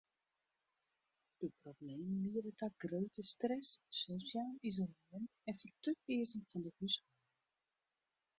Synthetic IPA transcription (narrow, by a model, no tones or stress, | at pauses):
d̥əprobleːmənliərətaɡrøɥtəstrɛssosjaːlizoləmɛntɛnfərtøtɪəzənfɔndəhysmɔ